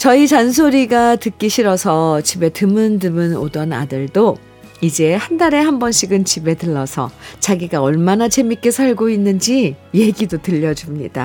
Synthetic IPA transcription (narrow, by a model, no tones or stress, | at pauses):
t͡ɕʌit͡ɕans̬ʰoɾiɡatɯk͈iɕʰiɾʌsʰʌt͡ɕibe̞tɯmɯndɯmɯno̰dʌna̰dɯɭdo | id͡ʑe̞handaɾe̞hambʌnɕʰiɡɯnt͡ɕibe̞tɯɭːʌsʰʌ̰t͡ɕaɡiɡaʌɭmanat͡ɕe̞mik͈e̞sʰaɭɡoinːɯnd͡ʑije̞ɡidotɯʎːʌd͡ʑumɲḭda